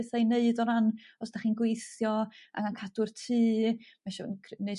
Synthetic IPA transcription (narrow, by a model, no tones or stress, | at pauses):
θejneɨdɔɾanɔsd̥aχiːnɡwejθjɔa̰ŋankʰadʊrtʰɨːmaʃɔkʰnej